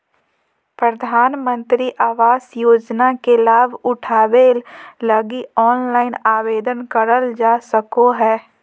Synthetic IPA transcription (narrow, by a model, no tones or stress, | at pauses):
pɾəd̪ʱaːnmə̃nt̪ɾiʔaːʋaːsjoːd͡ʒnakelaːbʱʊʈʰaːʋeːlləɡiɔːnlaːɪnaːʋeːd̪ənkəɾəld͡ʒaːsəkoɦɛː